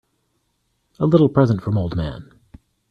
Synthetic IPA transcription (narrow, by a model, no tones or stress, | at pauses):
əlɪɾl̩ˠpʰɹ̥ɛzə̃ntfɹʌ̃moʊlˠd̚mæ̰̃n